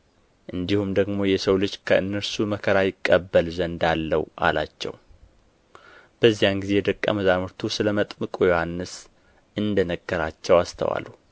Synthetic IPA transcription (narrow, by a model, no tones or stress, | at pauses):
ʔɨnd̪ihumd̪əɡmo̞jɛsəwlɨd͡ʒkʰəʔɨnːəɾsuməkʰəɾajɪkʼːəbːəlzənd̪alːə̰wʔa̰la̰t͡ʃːɛ̰w | b̥əzːijanɡize̞jɛd̪əkʼːə̰məzamɨɾt̪ʰusɨləmət̪ʼmɨkʼojo̞hanːɨs | ɨnd̪ənəɡːəɾat͡ʃːɛwast̪ʰə̰wa̰lu